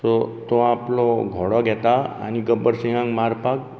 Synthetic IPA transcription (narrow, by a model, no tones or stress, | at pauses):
t̪ot̪oaploɡʱɔɽɔɡɛt̪aa̰niɡəbəɾsĩŋɡãŋɡmaɾpak̚